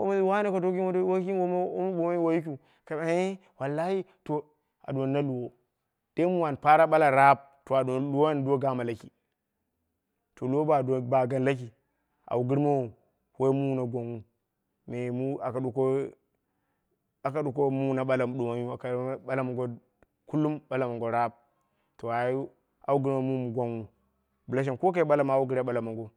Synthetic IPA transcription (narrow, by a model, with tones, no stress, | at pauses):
wo̰˦m˦i˦wa˦ne˦ko˨to˦ki˦o˦wo˦i˦o˦o˦m˦bu˨ma˦ju˦wo˦ju˦k̬ʲu˨ | ka˨a˨e˦ | wa˨lːa˦hi˦to˨ | a̰˨do˨nːa˦lu˨wo˦ | d̥e˦mu˦wa˨npa˦ɾa˦ɓa˦la˨ɾa˦b̚ | to˨a˨do˨lu˦wo˦n˦do˦ɡa˦ma˨la˨ki˨ | to˨lu˦wo˦ba˨do˨ba˨ɡa˦nla˦k̬i˨ | ʔa̰˨wu˨ɡi˦ɾma˦wo˨ | we˦mu˦na˨ɡʷa˨nwu˦ | me˨mu˦a˨ka˨ɗu˨ko˦ | a˨ka˨ɗu˨ko˦mu˦˨na˨ɓa˦la˨m˨ɗu˨ma˦u˦a˨ka˨˦ɓa˦la˨mu˨ɡo˦ | ku˦lːu˦mɓa˦la˨ma˨ŋɡo˨ɾa˦b̚ | to˨a˨u˦ | a̰˨wu˦ɡi˦ɾma˦mu˦mu˨ɡʷa˦nwu˦ | bu˨la˦ʃ̬e˨nko˦k̬a˦ɓa˦la˨ma˨wu˦ɡi˦ɾa˦ɓa˦la˨ma˨ŋɡo˦